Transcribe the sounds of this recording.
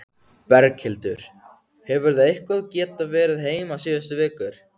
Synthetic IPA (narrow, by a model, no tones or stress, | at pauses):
pɛɾkhɪlt̪ʏɾ̥ | hɛvʏɾðaðehkaðcɛːt̪avɛːɾɪðɦeːjmasiːðʏst̪ʏvɪːkʏɾ̥